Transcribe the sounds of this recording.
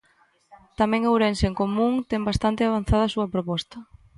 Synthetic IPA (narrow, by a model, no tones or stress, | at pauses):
t̪amɛ̃ŋewɾenseŋkomũŋt̪ɛmbast̪ant̪ɪaβ̞an̟θaðɐːsuɐpɾopɔst̪ɐ